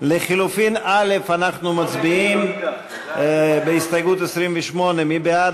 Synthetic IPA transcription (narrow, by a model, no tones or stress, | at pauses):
leχilufinale̞fanaχnumat͡sbiim | beist̪ajɡut̪esʁimveʃmo̞ne̞mibead